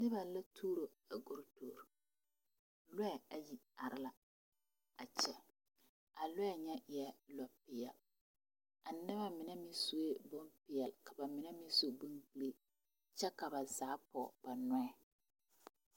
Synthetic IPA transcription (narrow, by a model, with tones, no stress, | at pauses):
nɪ˦ba˨la˦tʰuː˦ɾo˨ | a˨ɡu˨ɾtoː˨ɾ | lwɛ˦˨a˨ji˨a˨ɾɪ˦la˨ | a˨t͡ʃɛ˨ | a˨lʊ˦ɛ˨ɲɛ˦ʔɪ˨ɛ˨lɔ˨pɪ˨jɛ˨l | a˨nɪ˦βa˦mɪ˨nɛ˦mɪ˦su˦e˦bo˦mpɪ˨jɛ˨lka˨ba˨mɪ˨nɛ˦mɪ˦so˨bu˦nble˦ | t͡ʃɛ˦ka˨ba˨zaː˨˦pɔ˨b̥a˨nʊ˦ɛ˨